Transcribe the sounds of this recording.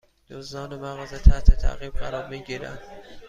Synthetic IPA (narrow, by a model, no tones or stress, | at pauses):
d̪̥oznɒːnemæɣɒːzet̪ʰæht̪ʰet̪ʰæ̰ɣiːb̚ɢæɾɒːɾmiːɟiːɾæ̰nd̪̥